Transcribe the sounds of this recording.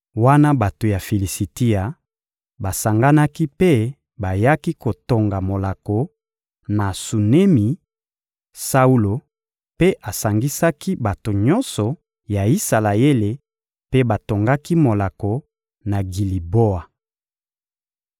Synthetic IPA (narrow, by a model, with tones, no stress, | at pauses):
wa˦na˦ba˨to˨ja˨fi˨li˨si˨ti˦a˨ | ba˨sa˨ŋɡa˦na˦ki˦pe˦ | ba˨ja˦ki˦ko˨to˨ŋɡa˨mo˨la˨ko˨ | na˨su˨ne˦mi˨ | sa˦u˦lo˨ | pe˦ʔa˨sa˨ŋɡi˦sa˦ki˦ba˨to˨ɲɔ˦nsɔ˨ | ja˨i˦sa˨la˨e˦le˨ | pe˦ba˨to˨ŋɡa˦ki˦mo˨la˨ko˨ | na˨ɡi˨li˨bo˦a˨